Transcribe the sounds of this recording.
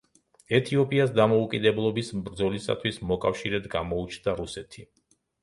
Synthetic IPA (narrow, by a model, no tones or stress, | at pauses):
ɛt̪ʰiɔpʼiasd̪amɔukʼid̪ɛblˠɔbismbɾd̪zɔlisa̰t̪ʰwismɔkʼafʃiɾɛd̪ɡamɔut͡ʃʰnd̪aɾusɛt̪ʰi